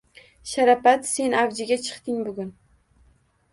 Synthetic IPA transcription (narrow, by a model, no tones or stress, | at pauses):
ʃaɾapat̪se̞navd͡ʒɪɡʲat͡ʃʰɨ̥qt̪ɪŋbʊɡʲʊn